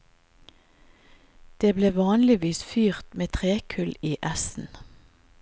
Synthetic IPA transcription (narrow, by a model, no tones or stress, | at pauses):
d̪̥eːbleːʋɑːnlɪʋiːsfyːʁt̪meːt̪ʰʁeːkʰʉliːʔæsn̩